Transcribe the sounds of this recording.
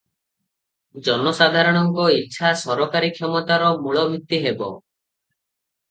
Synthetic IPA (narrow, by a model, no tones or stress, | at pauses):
d͡ʒɔnɔsad̪ʱaɾɔɽ̃ɔŋkɔitːʃʰasɔɾɔkaɾikʰjɔmɔt̪aɾɔmuɭɔbʱit̪ːiɦebɔ̰